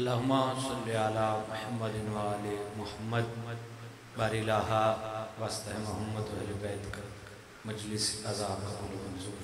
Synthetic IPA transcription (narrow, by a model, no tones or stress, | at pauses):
ɐlːaːɦʊmːaːsɐlːiaːlaːmʊħɐmːɐd̪ɪnʋaːlemʊhɐmːɐd̪ | baːɾilaːɦaːʋaːst̪ɐɦemʊɦɐmːɐd̪ʋɐɦlibɛːt̪kɐ | mɐd͡ʒlɪsɐzaːbkɐɾulmɐnzu